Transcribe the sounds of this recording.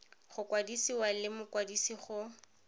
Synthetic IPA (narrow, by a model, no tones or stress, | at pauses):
χʊkwadisiwalɪmʊkwadisiχʊ